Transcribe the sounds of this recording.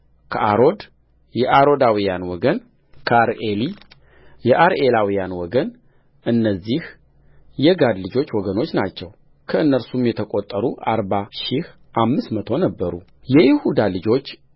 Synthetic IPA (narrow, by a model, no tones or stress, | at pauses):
kʰəʔaɾo̞d̪ | jɛʔaɾo̞d̪awijanwɔɡən | kʰəaɾeli | jɛʔaɾʔe̞lawijanwɔɡən | ʔɨnːəzːih | jɛɡad̪lɨd͡ʒo̞t͡ʃːwɔɡəno̞t͡ʃːnat͡ʃːɛw | kʰəɨnːəɾsumjɛt̪ʰəkʼot̪ʼːəɾuʔa̰ɾbaʃih | ʔamːɨsmət̪ʰo̞nəbːəɾṵ | jɛjɪhud̪alɨd͡ʒo̞t͡ʃː